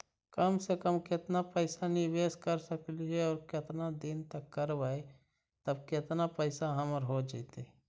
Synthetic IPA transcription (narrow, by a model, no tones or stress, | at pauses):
kəmsekəmkɪt̪napɛːsanɪʋeːskəɾsəkliɦɛɔːɾkɪt̪nad̪ɪnt̪əkːəɾʋae | t̪əbkɪɪt̪napɛɪsaɦɐməɾɦod͡ʒat̪e